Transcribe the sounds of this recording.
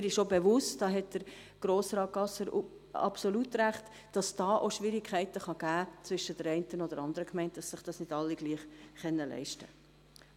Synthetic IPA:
ɪɾɪʃobeʋʊstd̥ɑːɦɛtd̥əɾ | ɡ̥ɾoːsɾɑːt̚ɡ̥ɑsəɾ | ɑ̰psolutɾæχt | d̥ɑsd̥ɑːʔoʃʋɪɾɪkʰχɛɪtəχɑɡ̥æːt͡sʋʏʃədəɾɛɪntənod̥əɾɑnd̪əɾəkmɛɪntd̥ɑsːɪχd̥ɑːsnɪdɑlːiɡ̥liːχχɛnːəlɛ̰ɪʃtə

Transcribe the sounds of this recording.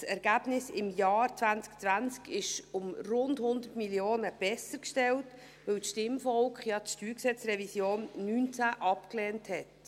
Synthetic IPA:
sɛɾɡ̥æːb̥nɪsɪmjɑːɾt͡svænt͡sk̚t͡svænt͡skɪʃʊmrʊndhʊnd̪ətmiljoːnəb̥ɛsəɾkʃtɛlt | ʋœwsʃtɪmfɔlkχjɑtʃtyːɾksɛt͡srɛvisjoːnːynt͡sæʔɑpkleːnthɛt

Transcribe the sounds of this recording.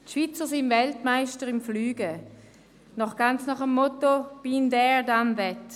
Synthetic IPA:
tʃv̥it͡səsɪnvɛltmaɪʃtəɾɪmflyːɡə | nɔχɡ̥ant͡snɔχəmːɔtob̥indɛdanvɛt

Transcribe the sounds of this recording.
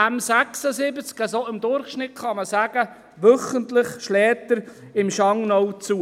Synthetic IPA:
æmsæksəsɪbət͡skəsoɪmd̪ʊɾχʃnɪtχɑməsæɡ̥ə | ʋœχəntlɪχʃlɛːt̪əɾ | ɪmʃɑŋnɔwt͡suː

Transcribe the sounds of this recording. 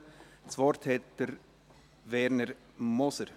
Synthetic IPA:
t͡sʋɔɾt̪ʰɛːt̪əɾ | ʋɛɾnəɾ | mɔsəɾ

